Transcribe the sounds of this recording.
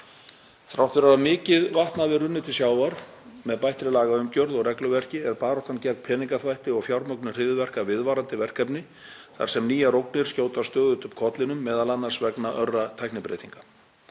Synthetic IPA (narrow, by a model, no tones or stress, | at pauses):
θɾawt̪ʰvɪɾaamɪːcɪðvaht̪navɪrʏnːɪt̪ʰɪ̥sjaːwvaɾ̥ | mɛðpajht̪ɾɪlaːɣaʏmcœɾðɔɣrɛklʏvɛr̥cɪɛɾpaːɾɔwht̪ancɛrkpʰɛːniŋkaθvajht̪ɪɔɣfjawɾmœknʏr̥ɪðvɛr̥kavɪðvaɾant̪ɪvɛr̥kɛpnɪ | θa̰ɾ̥sɛmniːjaɾowknɪɾ̥scoːwt̪ast̪œːɣʏt̪ʏmkʰɔt̪lɪnʏmːɛːðalanːḁsvɛknaʔœrːat̪ʰajknɪpɾḛjt̪iŋkḁ